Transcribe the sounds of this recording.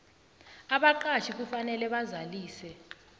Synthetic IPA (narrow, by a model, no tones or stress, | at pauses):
aɓaǃat͡ʃʰik̬ufanɛlɛɓazaliːsɛ